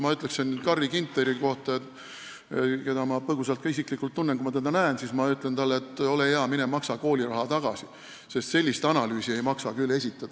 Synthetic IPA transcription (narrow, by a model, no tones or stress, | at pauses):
mɑyt̪ˑleksennyd̪̚kɑrːikint̪leɾiko̞ht̪ɑe | ke̞d̪ɑmɑpɤɡ̥usɑlt̪̚kɑis̬iklikːˑult̪ːunːenkumɑt̪ed̪ɑnæensismɑyt̪ˑlent̪ɑlːet̪ːˑo̞lejeɑminemɑksɑko̞ːlʲiɾɑɦɑt̪ɑɡ̥ɑ̰si | se̞st̪selʲːist̪ɑnɑlyːsie̞jmɑksɑkylːe̞sʲit̪ːˑɑd̪̥